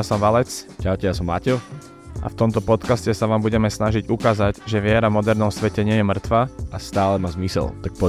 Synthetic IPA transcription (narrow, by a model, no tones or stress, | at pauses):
jasɔmʋalɛt͡scaʊcɛjasɔma̰cɛʊ | ʔa̰ft̪ɔmt̪ɔpɔt̪kascɛsaʋaːmbuɟɛmɛsnaʒiɟukaːzaɟʒɛʋɪɛɾamɔd̪ɛɾnɔmsʋɛcɛɲɪɛjɛmr̩t̪ʋaʔast̪aːlɛmaːzmisɛ̰lt̪ak̚pɔ